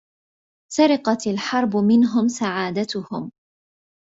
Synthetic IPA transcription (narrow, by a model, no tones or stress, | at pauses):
saɾɪqɑt̪alħɑɾˤbʊmɪnɦʊmsaʕaːd̪at̪ʊhʊm